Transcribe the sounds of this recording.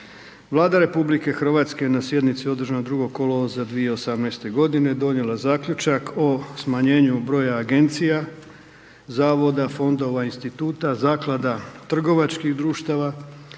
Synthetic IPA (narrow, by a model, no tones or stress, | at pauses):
ʋlˠaːd̪aɾe̞publike̞xr̩ʋaːt̪skenasje̞d̪nit̪sio̞d̪r̩ʒand̪ɾuɡo̞ko̞lozad̪ʋijeosamnɛjst̪e̞ɡo̞d̪ine̞d̪o̞njelˠazaːkʎut͡ʃakʰo̞smaɲe̞ːɲubɾo̞ːjaːɡe̞nt̪sija | zaːʋo̞d̪afo̞nd̪o̞ʋainst̪it̪uːt̪azaːklˠad̪at̪r̩ɡo̞ʋat͡ʃkiɣd̪ɾuːʃt̪aʋa